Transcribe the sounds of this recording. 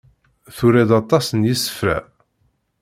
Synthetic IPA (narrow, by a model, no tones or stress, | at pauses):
θuɾæd̪ɑt̪ˤɑsənjisə̥fɾæ̰